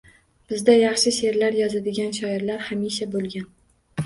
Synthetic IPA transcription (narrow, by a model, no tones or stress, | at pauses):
b̥ɪzd̪ajɑχʃɪʃe̞ɾlaɾjɒzad̪ɪɡʲanʃɒɪɾlaɾhamiʃabolˠɡʲan